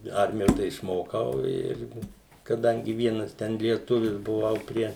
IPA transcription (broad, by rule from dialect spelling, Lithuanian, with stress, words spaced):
ˈɐrʲmʲɪjoː tɐɪ ɪʃˈmoːkɐʊ ˈɪr kɐˈdɐŋʲɡʲɪ ˈʋʲiɛnɐs ˈtʲɛn lʲiɛˈtʊʋʲɪs bʊˈʋɐʊ ˈpʲrʲiɛ